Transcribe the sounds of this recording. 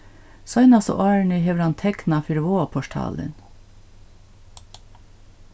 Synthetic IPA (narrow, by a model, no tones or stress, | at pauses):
sɑɪnɑso̰ːʔɑːɹɳʏheʋɾɑnt̪ʰɛknɑfʏɾʋoːɑpʰɔʃʈʰɑ̰ːlə̰n